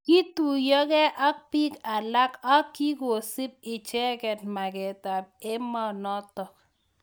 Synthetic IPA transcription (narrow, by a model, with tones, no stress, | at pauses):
ki˦tu˨jɔ˦kɛ˦ʔa˦k̚pi˦ka˨la˦ka˦kːi˦ko˨sɪ˦p̚ɪ˨t͡ʃɛ˦kɛ˨t̚ma˨kɛ˨ta˨p̚e˦mɔ˦nɔ˦tɔ˨k̚